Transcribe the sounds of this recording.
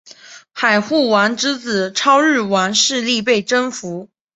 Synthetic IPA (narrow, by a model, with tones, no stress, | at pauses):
xa˨˩ɪxu˥˩wa˧˥nʈ͡ʂɻ̩˥t͡sɹ̩˨˩ʈ͡ʂʰɑ˥ʊɻɻ̩˥˩wa˧˥nʂɻ̩˥˧li˥˧p̬e˥˩ɪʈ͡ʂə˥ŋfu˧˥